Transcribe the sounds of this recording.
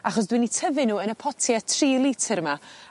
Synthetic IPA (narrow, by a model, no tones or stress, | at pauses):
aχɔsdwinitʰəvɪnuːənəpʰɔtʰjɛtʰriːlˠitʰəɾma